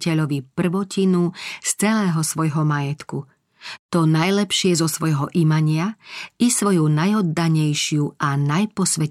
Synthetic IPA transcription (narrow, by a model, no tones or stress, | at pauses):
cɛʎɔʋipr̩ʋɔcinust͡sɛlɛːɦɔsʋɔjɦɔmajɛt̪ku | t̪ɔnajlɛpʃɪɛzɔsʋɔjɦɔʔimaɲɪaisʋɔjunajɔd̪ːaɲɛjʃɪuʔanajpɔsʋɛ